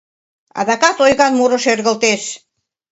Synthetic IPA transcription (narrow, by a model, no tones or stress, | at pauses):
ɑ̰ðɑkɑt̪ojɣɑnmuɾɤ̆ʃerɣə̆lt̪eʃ